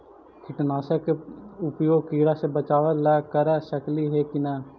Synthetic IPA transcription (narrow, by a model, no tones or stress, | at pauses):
kʰɪʈnaːʃəkʊpjoːɡkiːɾasebət͡ʃaːʋəlɛːkəɾɛʃəkliɦekinaː